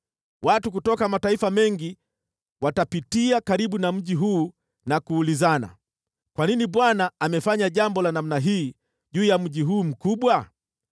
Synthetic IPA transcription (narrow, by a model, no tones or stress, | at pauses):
watukutɔkamataifamɛŋɡi | watapitiakaɾiɓunam̩ʄiɦuː | nakuːlizana̰ | kwaniniɓwanaːmɛfaɲaʄambɔlanam̩naɦiː | ʄuːjam̩ʄiɦuːm̩kuɓwa